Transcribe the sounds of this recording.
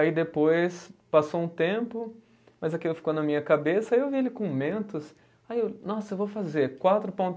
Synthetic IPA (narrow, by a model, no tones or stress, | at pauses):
aid̪epojspasowũt̪ẽpʊ | mɐzakilʊfikonɐmĩɲɐkabesɐaiewvielɪkõmẽnt̪ʊs | ajewnɔsɐewvowfazeɾkwat̪ɾʊpõt̪